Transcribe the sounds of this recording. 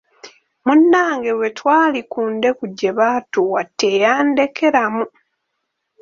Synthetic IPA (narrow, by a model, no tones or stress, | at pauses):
munːaːŋɡe̞we̞twaːlikuːnde̞kuɟːe̞βatuwatʰːejaːnde̞kʰe̞ɾamu